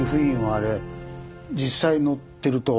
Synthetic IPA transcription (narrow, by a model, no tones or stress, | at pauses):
ɯɸɯ̟ĩoaɾe̞ | d͡ʑisːaino̞t̪ːe̞ɾɯ̟t̪o